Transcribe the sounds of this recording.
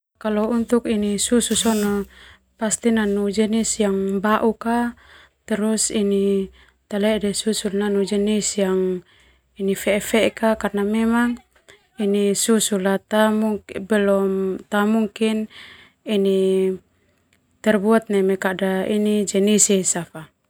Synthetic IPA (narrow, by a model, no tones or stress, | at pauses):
kalɔunt̪ukinisususɔnɔ | past̪inanud͡ʒɛnisjaŋbaʔuka | t̪ɛɾusini | t̪alɛdɛsusulnanud͡ʒɛnisjaŋ | inifɛfɛkakarnamɛmaŋ | inisusulat̪amuŋkbɛlɔmt̪amuŋkin | ini | t̪ɛrbuat̪̚nɛmɛkadainid͡ʒɛnisisafa